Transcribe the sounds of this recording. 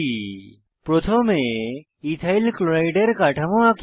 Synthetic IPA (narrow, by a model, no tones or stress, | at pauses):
i | pɾot̪ʰomẽ | it̪ʰailkloɾaɪɖəɾkaʈʰɐmoak